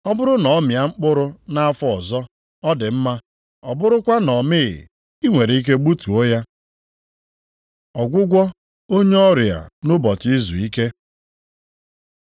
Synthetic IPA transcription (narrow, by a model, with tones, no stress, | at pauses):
ɔ˦bʊ˦ɾʊ˦nɔ˨ɔ˦mja˨ŋ͡m̩˦k͡pʊ˦ɾʊ˦na˦fɔ˦ɔ˨zɔ˦ | ɔ˦dɪ˨m̩˦ma˦ | ɔ˨bʊ˦ɾʊ˦kʷa˦nɔ˨mɪ̰˦˨ | i˦ŋʷe˨ɾe˨i˦k̬e˦ɡ͡bu˦tu˨o˦ja˦ | ɔ˨ɡʷʊ˦ɡʷɔ˦ | o˦ɲe˦ɔ˦ɾja̰˨nʊ˦bɔ˨ti˦zu˨i˦ke˦